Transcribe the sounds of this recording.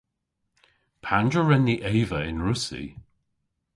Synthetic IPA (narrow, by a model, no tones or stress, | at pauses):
pʰand͡ʒəɹɛnːiʔeːvəɪnɹʊsḭ